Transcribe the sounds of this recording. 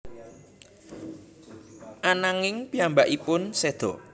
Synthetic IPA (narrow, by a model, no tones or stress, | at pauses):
ʔanaŋɪŋpiambaʔipʊnsed̪̥ɔ